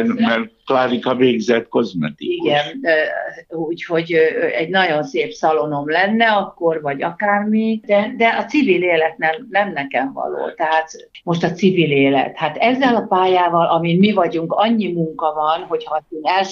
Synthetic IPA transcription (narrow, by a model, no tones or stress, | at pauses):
mɛrklaːɾikɒveːɡzɛt̪ko̞zmɛt̪iiɡɛn | uːcho̞ɟɛɟnɒɟo̞nseːpsɒlo̞no̞mlɛnːɛɒkːo̞rvɒɟɒkaːrmid̪ɛd̪ɛʔɒt̪sivileːlɛt̪nɛmnɛmnɛkɛɱvɒ̰lo̰ːt̪ɛɦaːt̪ | mo̞ʃt̪ɒt̪sivileːlɛ̰t̪hat̪ɛzːɛlɒpaːjaːvɒlʔɒminmivɒɟuŋkɒɲːimuŋkɒvɒnɦo̞chɒsinɛl